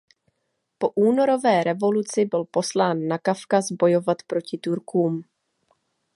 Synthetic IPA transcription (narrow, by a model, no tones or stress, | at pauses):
po̞ʔuːno̞ɾo̞vɛːɾɛvo̞lut͡sɪbɪlpo̞slaːnːakafkazbo̞jo̞vat̪pɾo̞cɪt̪uɾkuːm